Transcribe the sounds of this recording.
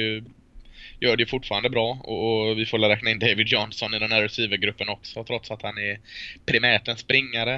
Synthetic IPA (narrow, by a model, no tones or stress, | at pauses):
jɵ | jœːɖɛjɵfʊʈːfɑːɾand̪əbɾɑːɔ̰ːvɪfolæɾɛknaɪnd̪ɛɪvɪd̪jɑnsɔnɪd̪ɛmnæːɾɛsiːvəɾɡɾɵpːənɔksɔt̪ʰɾɔt̪sat̪hanɛɾpʰɾɪmɛːʈənspɾɪŋːaɾə